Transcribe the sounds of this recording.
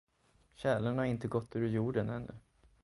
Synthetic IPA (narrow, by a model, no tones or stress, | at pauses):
ɕɛːlənhaɾɪnt̪əɡɔt̪ːʉːɾjuːɖənɛnːɵ̰